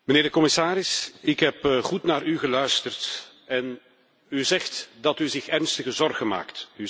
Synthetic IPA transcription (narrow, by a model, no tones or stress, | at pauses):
məneːrdəkɔmɪsaːɾɪsɪkɦɛpɣutnaːrʔyɣəlœɥstərt | ɛn | yzɛxtdɑtyzɪxɛrnstəɣəzɔrɣənma̰ːkty